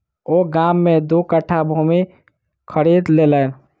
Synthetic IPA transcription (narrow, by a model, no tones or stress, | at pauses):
oːɡamːed̪ukəʈʰːabʱumi | kʰəɾiːd̪leːlən